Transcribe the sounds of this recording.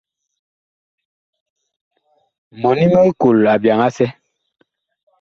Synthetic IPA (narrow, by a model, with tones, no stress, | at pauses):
mɔ˨ni˦mə˦ku˨la˨bja˨ŋa˦sɛ˦